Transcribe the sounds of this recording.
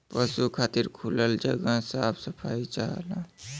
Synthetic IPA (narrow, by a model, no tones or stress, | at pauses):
pəsukʰaːt̪iɾkʰuləld͡ʒə̰ɡasaːbsəpʰait͡ʃaɦlã